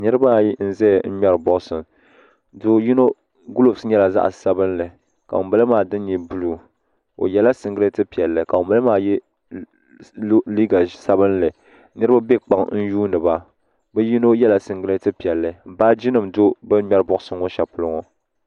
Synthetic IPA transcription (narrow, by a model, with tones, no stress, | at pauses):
nɨ˦ɾɨ˦ba˦˨ji˦n̩˦zɛ˦˨n̩˦ɲɛ˦ɾɨ˨bɔ˦ʔsɨ˨m | do˦ji˦no˦ | ɡu˦lo˨bsɲɛ˦la˨za̰˦ʔsa˦bɨ˦nlɨ˨ | ka̰˨o˨ba˦lɨ˦maː˨dɨ˦n˦ɲi˨bu˦lu˨ | o̰˨jɛ˦la˦sɨ˨ŋɡɨ˦ɾɨ˦tɨ˦pi˨ɛ˨lːɨ˨ka˨o˨ba˦lɨ˦maː˦˨jɛ˦ | li˦ɡa˨sa˦bɨ˦nlɨ˨ | nɨ˦ɾɨ˦ba˦bɛ˦k͡pa˨ŋn̩˦juː˦nɨ˨ba˦ | bɛ˦ji˦no˦jɛ˦la˨sɨ˨ŋɡɨ˦ɾɨ˦tɨ˦pi˨ɛ˨lːɨ˨m̩˨baː˦d͡ʒi˦nɨ˨mdo˦bɨ˦ɲɛ˦ɾbʊ˦ʔʊ˦sɨ˦ŋo˦ʃa˨pʊ˦lʊ˦ŋɔ˨